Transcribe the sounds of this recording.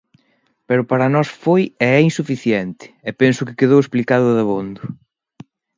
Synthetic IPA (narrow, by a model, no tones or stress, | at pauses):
pɛɾʊpaɾɐnɔsfojɛɛinsufiθjɛnt̪ɪ̥ɛpensʊkɪkeðowesplikaðʊðɐβond̪ʊ